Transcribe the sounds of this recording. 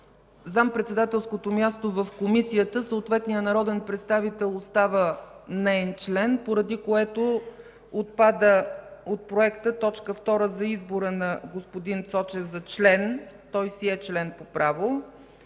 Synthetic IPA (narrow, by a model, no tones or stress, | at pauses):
zampɾɛt̪sɛd̪at̪ɛlˠskot̪omʲjast̪ovəfkomisiət̪əsəot̪vɛt̪nijənɐɾɔd̪ɛnpɾɛt̪st̪avit̪ɛlˠost̪avənɛɛnt͡ʃlɛnpoɾɐd̪ikoɛt̪o | ot̪̚pad̪əot̪̚pɾoɛkt̪ət̪ɔt͡ʃkəft̪ɔɾəzɐizboɾənɐɡospod̪int̪sɔt͡ʃɛvzɐt͡ʃlɛnt̪ɔjsiɛt͡ʃlɛnpopɾʔavo